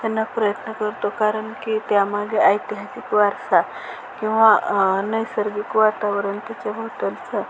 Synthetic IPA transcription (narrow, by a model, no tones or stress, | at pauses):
t̪anːapɾəjət̪nəkəɾt̪okaɾəɳkit̪jamaɡeəjt̪iɦasikʋaɾsa | kĩw̃ʋanəjsəɾɡikʋat̪aʋəɾənt̪at͡ɕabʱəʋʈ̪əlt͡sə